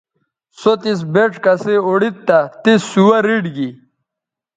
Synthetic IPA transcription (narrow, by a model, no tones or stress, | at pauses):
sot̪is̬beʈ͡ʂkɐseoɽit̪ːɐt̪isːuwɐɾiɖɡi